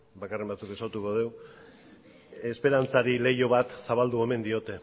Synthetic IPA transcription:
bakare̞mbat͡suke̞sawt̪uko̞ð̞e̞w | espe̞ɾant͡saɾile̞jo̞βat̪saβald̪ue̞me̞nd̪io̞t̪e̞

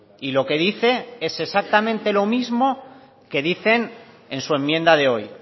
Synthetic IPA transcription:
ilo̞ke̞ðiθe̞e̞se̞sak̚t̪amẽnt̪e̞lo̞mizmo̞ | ke̞ðiθe̞n | e̞nsue̞mːjẽ̞nd̪að̞e̞o̞j

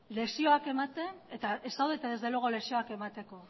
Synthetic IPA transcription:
le̞sio̞ake̞mat̪e̞ne̞t̪aesawðet̪aðe̞zðe̞loɣole̞sio̞ake̞mat̪e̞ko̞

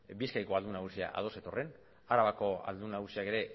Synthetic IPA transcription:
biskajko̞ald̪unaɣ̞usia̰ʔa̰ð̞o̞se̞t̪o̞re̞n | aɾaβako̞a̰ld̪unaɣusiake̞ɾe̞

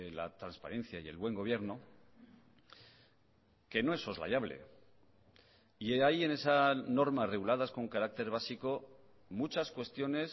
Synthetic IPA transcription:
la̰t̪ɾanspa̰ɾe̞n̟θjaie̞̰lβwe̞ŋɡo̞β̞je̞ɾno | ke̞no̞eso̞zla̰jaβle̞̰ | ieaje̞ne̞sano̞ɾmare̞ɣulaðasko̞ŋkaɾak̚t̪e̞ɾβ̞asiko̞ | mut͡ʃaskwe̞st̪jo̞ne̞s

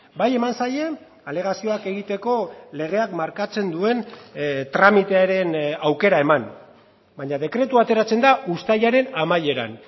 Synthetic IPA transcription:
baje̞mansaje̞ | ale̞ɣ̞asio̞ake̞ɣit̪e̞ko̞le̞ɣ̞e̞akmaɾkat͡se̞nd̪ue̞nt̪ɾamit̪e̞aɾe̞nawke̞ɾae̞man | baɲaðe̞kɾe̞t̪uat̪e̞ɾat͡se̞nd̪aʔust̪ajaɾe̞namaje̞ɾa̰n

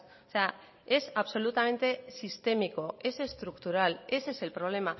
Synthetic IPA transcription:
ose̞a | e̞saβso̞lut̪ame̞nt̪e̞sist̪e̞miko̞e̞se̞st̪ɾukt̪uɾale̞se̞se̞lpɾo̞β̞le̞ma

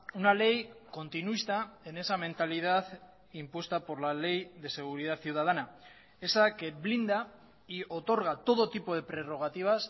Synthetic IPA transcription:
unale̞jko̞nt̪inuist̪ae̞ne̞samẽ̞nt̪alið̞aθ | impwe̞st̪apo̞ɾlale̞jðe̞se̞ɣ̞uɾið̞at̪θiuwð̞að̞ana | e̞sake̞βlind̪a | io̞t̪o̞ɾɣ̞at̪o̞ð̞o̞t̪ipo̞ð̞e̞pɾe̞ro̞ɣ̞at̪iβ̞as

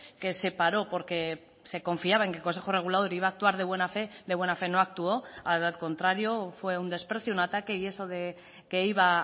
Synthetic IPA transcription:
ke̞se̞paɾo̞po̞ɾke̞ | se̞ko̞ɱfiaβae̞ŋkelko̞nse̞xore̞ɣ̞ulað̞o̞ɾiβ̞aːk̚t̪uaɾð̞eβwe̞nafe̞d̪eβwe̞nafe̞no̞ak̚t̪uo̞alko̞nt̪ɾaɾjo̞fwe̞und̪e̞spɾe̞θjounat̪ake̞ie̞so̞ðe̞ | ke̞iβa

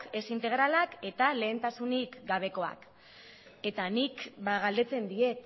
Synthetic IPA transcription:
ke̞sint̪e̞ɣ̞ɾalake̞t̪ale̞ːnt̪asunikɡaβ̞e̞ko̞a̰k | e̞t̪anikbaɣald̪e̞t͡se̞nd̪ie̞t̪

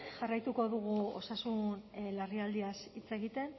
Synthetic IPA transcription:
ʝarajt̪uko̞ðuɣuo̞̰sasunlariald̪iasit͡se̞ɣit̪e̞n

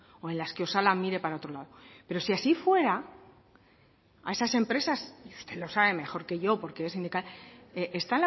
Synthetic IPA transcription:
o̞e̞nlaskeo̞salamiɾe̞paɾao̞t̪ɾo̞laðo̞pe̞ɾo̞siasifwe̞ɾa | ae̞sase̞mpɾe̞sasiust̪e̞lo̞saβe̞me̞xo̞ɾke̞ʝo̞po̞ɾke̞esind̪ikaleʔest̪aena

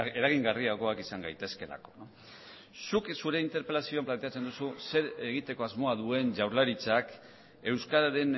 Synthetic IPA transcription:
e̞ɾaɣiŋɡariako̞akisaŋɡajt̪e̞ske̞la̰ko̞̥n | suksuɾe̞int̪e̞ɾpe̞lasio̞amplant̪eat͡se̞nd̪ususe̞ɾe̞ɣ̞it̪e̞ko̞azmo̞aðue̞nʝawɾlaɾit͡sak | e̞wskaɾaɾe̞n

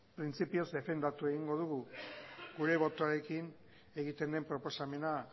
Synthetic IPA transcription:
pɾint͡sipio̞zd̪e̞fe̞nd̪at̪ue̞ɣ̞iŋɡo̞ð̞uɣu | ɡuɾe̞β̞o̞t̪oaɾe̞kin | e̞ɣit̪e̞nd̪e̞mpɾo̞po̞same̞na

